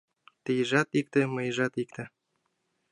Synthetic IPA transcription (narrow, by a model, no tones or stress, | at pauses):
t̪ijʒɑt̪ik̚t̪ĕmɤjʒɑt̪ikt̪ĕ